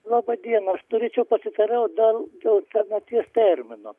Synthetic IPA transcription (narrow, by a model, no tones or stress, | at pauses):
lˠɑːbɐd̪ʲiɛnɐɐʃnoɾʲeːt͡ʃʲɛʊpɐsʲɪt̪ɐɾɛʊd̪ɐld̪ɛlt̪ʲɛnʲɐt̪ʲiɛst̪ʲɛɾʲmʲɪno